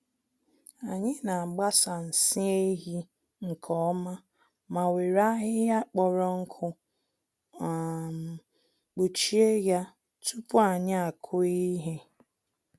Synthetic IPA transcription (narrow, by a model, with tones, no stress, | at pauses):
a˨ɲɪ˦na˨a˨ɡ͡ba˦sa˨n̩˨sɪ˦e˦ɦi˦ | ŋ̩˨kʰɔ˦ma˦ | ma˨we˨ɾa˦ɦɪ˦ja˦k͡pɔ˨ɾɔ˦ŋ̩˦kʰʊ˦˨ | k͡pu˨t͡ʃi˦e˦ja˦ | tu˦pʊ˦a˨ɲɪ˦a˨kʰʊ˦i˦ɦe˦